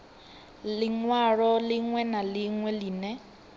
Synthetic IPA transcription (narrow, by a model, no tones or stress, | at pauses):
lɪŋwaɺɔlɪŋwɛnalɪŋwɛliːnɛ